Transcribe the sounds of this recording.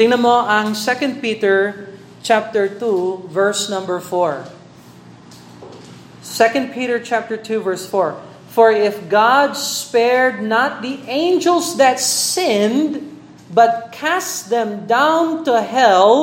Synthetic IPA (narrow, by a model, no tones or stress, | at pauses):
t̪ɪ̃ŋnɐmoʔɐ̃ŋsɛkə̃nd̪̚pit̪əɹ | t͡ʃæp̚t̪əɹt̪uvɛɹsnʌ̃mbəɹfɔɹ | sɛkə̃nd̪̚pʰiɾəɹt͡ʃæp̚t̪əɹt̪ʰuvɛɹsfɔɹ | fɔɹɪfɡɑd̪̚spɛɹd̪̚nat̪̚ðiʔẽɪ̃nd͡ʒəlˠsðɨt̪sɪ̃nd̪ | bʌt̪̚kʰæsðɛ̃md̪ãʊ̃nt̪uɦɛl